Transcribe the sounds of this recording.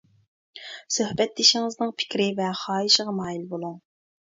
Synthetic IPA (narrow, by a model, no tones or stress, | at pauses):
søhbɛt̪̚ːɪʃɪŋɨznɨŋpʰɪ̥kʲɾɪvɛχɑːiʃəʁɑmɑːjilbolˠuŋ